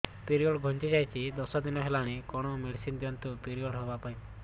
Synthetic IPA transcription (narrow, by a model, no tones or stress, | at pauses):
piɾiɔɽɡʱɔnt͡ʃid͡ʒajt͡ʃʰid̪ɔsɔd̪inɔɦelaɽ̃ikɔɽ̃ɔmiɽsind̪iɔnt̪upiɾiɔɽɦɔbapaĩ